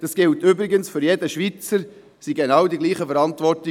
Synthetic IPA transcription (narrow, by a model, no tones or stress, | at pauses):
d̥ɑsɡ̥ɪltʏbɾɪɡənsfʏɾjɛdəʃʋit͡səɾ | siɡenɑwdiɡliːχəfɛɾɑntvɔrt